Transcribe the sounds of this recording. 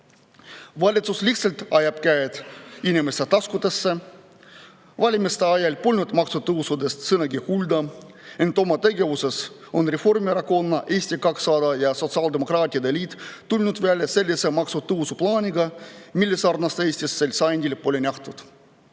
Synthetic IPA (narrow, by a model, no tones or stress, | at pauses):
vɑlʲit̪susliht̪selʲt̪ɑjɑb̥kæjet̪inʲimest̪et̪ɑskut̪esːe | vɑlʲimist̪eɑjɑlʲpolʲnʲut̪mɑksut̪ɤwsud̪e̞st̪sɤnɑɡihulʲd̪ɑ | e̞nt̪o̞mɑt̪e̞ɡe̞vuse̞s | o̞nrefo̞rmieɾɑko̞nːɑʔeːsʲt̪ʲikɑksɑːd̪ɑjɑso̞t̪sɑld̪emo̞kɾɑːt̪ʲiɑd̪elʲiːt̪ːulʲnud̪̥veælʲse̞lʲːisemɑksut̪ɯwsuplɑːnʲiɡɑmilʲːesɑrnɑst̪eːsʲt̪ʲisːelʲsɑjnʲd̪ʲilpolʲenʲɑht̪ut̪